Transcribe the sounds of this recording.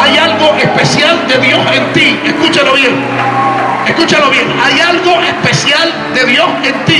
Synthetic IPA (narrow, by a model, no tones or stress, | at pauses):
ajalɣo̞ʔespe̞sjald̪e̞ðjo̞se̞nt̪iehkut͡ʃalo̞βje̞ŋ | eskut͡ʃalo̞βje̞ŋajalɣo̞ʔespe̞sjal | d̪e̞ðjo̞se̞nt̪i